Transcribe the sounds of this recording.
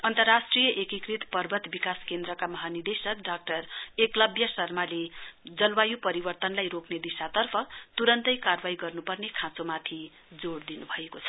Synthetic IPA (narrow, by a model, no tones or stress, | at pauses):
ʌnt̪ʌrːasʈrijʌʔekikrit̪pʌrbʱʌt̪bikaskend̪ɾʌkamʌɦanird̪esʌkɖak̚ʈʌreklʌbjʌsʌrmaled͡zʌlwajupʌɾibʌrt̪ʌnlajɾokned̪isat̪ʌrpʰʌt̪uɾʌnt̪ʌjkarbaɦiɡʌrnupʌrnekʰãt͡somat̪ʰi | d͡zoɽd̪inubʱʌekot͡sʰʌ̥